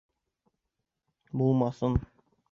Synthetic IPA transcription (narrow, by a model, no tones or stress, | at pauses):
bulˠmɑsɤn